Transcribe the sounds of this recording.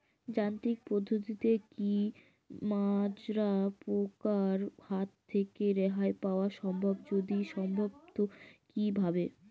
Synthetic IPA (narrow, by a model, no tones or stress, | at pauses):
d͡ʑant̪ik̚pɾod̪ʱːot̪it̪eki | mad͡ʑɾapɾokaɾhat̪ʰːekeɾɛɦaepaoaʃɔmbʱobd͡ʑod̪iʃɔmbʱobt̪okibʱabe